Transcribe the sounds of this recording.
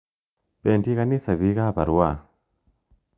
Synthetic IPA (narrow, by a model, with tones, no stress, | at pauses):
pe˨nti˦ka˦ni˦sa˨βi˨˦ka˦˨pa˨ɾu˨˦a˦˨